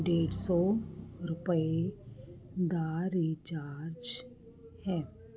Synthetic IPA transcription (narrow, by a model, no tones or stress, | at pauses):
ɖeːɽsɔɾʊpəe | d̪aːɾit͡ʃaːɾd͡ʒ | hɛ̃ː